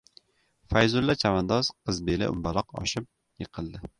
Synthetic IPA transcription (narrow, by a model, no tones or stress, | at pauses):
fajzʊlːat͡ʃʰamand̪ɒz̥qʰɨzbelɪ̰ʔʊ̰mbaɾɒqɒ̰ʃɪp̚ | jɨqʰɨlˠd̪ɪ